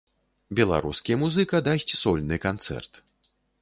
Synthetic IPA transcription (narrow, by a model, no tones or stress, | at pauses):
bʲɛlˠa̰ɾuskʲijɐmuzɨkɐd̪asʲt͡sʲsɔlʲnɨkant̪sɛ̰rt̪